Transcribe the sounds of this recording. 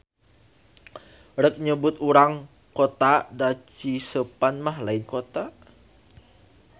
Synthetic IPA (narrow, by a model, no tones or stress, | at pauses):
rək̚ɲəbʊt̪uɾaŋ | kot̪adat͡ʃisəpanmahlaɪnkot̪a